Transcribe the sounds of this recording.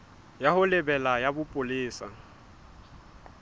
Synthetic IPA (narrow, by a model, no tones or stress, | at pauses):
jahʊlɪbɛlajabʊpʼʊlɪːsa̰